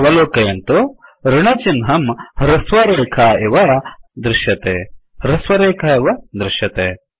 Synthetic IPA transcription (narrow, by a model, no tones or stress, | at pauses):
ʋɐloːkɐjɐnt̪oɾɪɳɐt͡ʃinɦɐmɾɐsʋɐɾeːkʰɐeʋɐd̪ɾɪʃjɐt̪ḛːɾɐswɐɾeːkʰɐeʋɐd̪ɾɪʃjɐt̪eː